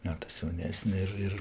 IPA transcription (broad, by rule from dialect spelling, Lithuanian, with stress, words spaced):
ˈmʲæːtɜs jɛʊˈnʲæːsʲnʲɛ ɪr ˈɪr